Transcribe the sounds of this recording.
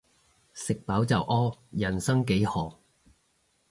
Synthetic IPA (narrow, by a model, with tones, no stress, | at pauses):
sɪ˨k̚paː˨˥wt͡sɐ̰˨˩wʔɔː˥jɐ˨˩nsɐ˥ŋke˨˥jhɔː˨˩